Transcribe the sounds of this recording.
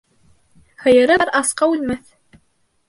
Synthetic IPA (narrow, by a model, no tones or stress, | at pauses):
hɤ̆jɤ̆ɾɤɾɑsqɑʉlmæθ